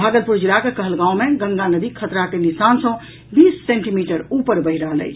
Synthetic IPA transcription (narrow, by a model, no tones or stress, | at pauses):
bʱaɡəlpuɾd͡ʒiɾakekəɦəlɡãũmeɡə̃ŋɡanəd̪ikʰət̪ɾakenisansə̃ | bisːeɳʈimiʈəɾupəɾbəɦiɾəɦələ̰t͡ʃʰ